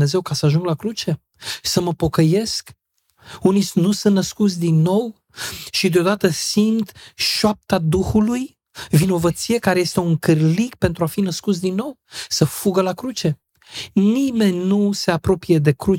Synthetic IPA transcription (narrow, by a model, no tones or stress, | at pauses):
e̞ze̞wkasəaʒuŋɡlakɾut͡ʃe̞ | səməpo̞kəje̞sk | uninusɨnt̪nəskut̪sʲd̪inːo̞w | ʃid̪eod̪at̪əsimt̪ʃoap̚t̪ad̪uxuluj | vino̞vət̪sije̞kaɾejest̪e̞uŋkɨrlikpe̞nt̪ɾuafinəskut̪sd̪inːo̞wsəfuɡəlakɾut͡ʃe̞ | nime̞nʲnuse̞apɾo̞pije̞d̪e̞kɾu